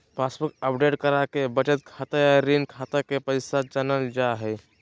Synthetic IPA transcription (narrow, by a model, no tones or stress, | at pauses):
paːsbəkəpɖeʈkəɾakebət͡ʃət̪̚kʰaːt̪ajaɾinkʰaːt̪akepəɪsad͡ʒanəld͡ʒaɦɛ